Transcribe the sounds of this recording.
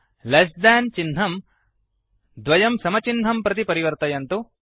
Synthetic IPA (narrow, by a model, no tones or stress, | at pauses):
lɐsd̪aːnt͡ʃinɦɐm | d̪ʋɐjɐmsɐmɐt͡ʃinɦɐmpɾɐt̪̬ipɐɾiʋɐɾt̪ɐjɐnt̪u